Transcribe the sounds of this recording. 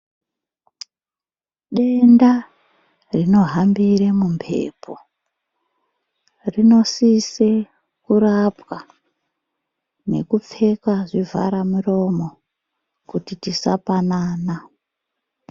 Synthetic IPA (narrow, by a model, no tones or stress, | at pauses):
ɗe̞nda | rino̞ɦambiremumpʰe̞̰ːpʰo̰ | rino̞sise | kurapwa | ne̞̰kup͡fe̞kwaʐivʱa̰ɾamuro̞mo̞ | kutitisapanaːna